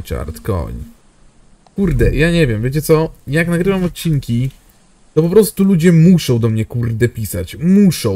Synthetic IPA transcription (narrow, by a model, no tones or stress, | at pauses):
t͡ʂa̰ɾt̪kɔ̰ɲ | kuɾd̪ɛjaɲɛvʲjɛmvjet͡ɕɛt̪sɔjajaaknaɡɾɘvamɔt̪̚t͡ɕiŋkʲi | t̪ɔpɔpɾɔst̪ulud͡ʑɛmuʂɔ̃w̃d̪ɔmɲɛkuɾd̪ɛpʲisat͡ɕmuʂɔ̃